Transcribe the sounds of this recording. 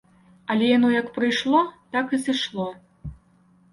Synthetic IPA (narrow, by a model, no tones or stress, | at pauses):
ɐlʲɛjanɔjɐkpɾɨjʂlˠɔt̪akɨzɨʂlˠɔ